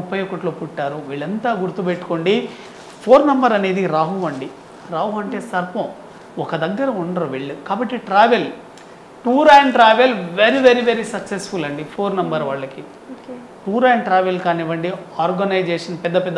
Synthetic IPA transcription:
upːɐjokɐʈloːpuʈːaːɾuʋiːɭɐnt̪aːɡuɾt̪upeʈːu̥koːɳɖi | pʰoːɾnɐmbɐɾɐne̞ːd̪iɾaːɦuʋɐɳɖi | ɾaːɦuɐɳʈe̞ːsɐɾpɐ̃m | ɔkɐd̪ɐɡːɐɾɐuɳɖɐɾoʋiɭːukaːbɐʈːiʈɾaːʋel | ʈuːɾaːɳʈɾaːʋelʋeɾiʋeɾiʋeɾisɐksesfulɐɳɖipʰoːɾnɐmbɐɾʋaːɭːɐki | ʈuːɾaːɳʈɾaːʋelkaːniʋɐɳɖiaːɾɡɐnɐjd͡ʒɛːʂɐnpɛd̪ːɐpɛd̪ːɐ

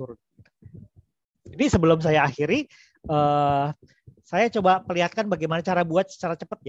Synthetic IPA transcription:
uɾ̚ | inisəbəlʊms̬ajaːxiɾi | əː | sajat͡ʃobapəliɦat̪̚kanbaɡajmanat͡ʃaɾabuat̪̚sə̥t͡ʃaɾat͡ʃəpət̪̚j

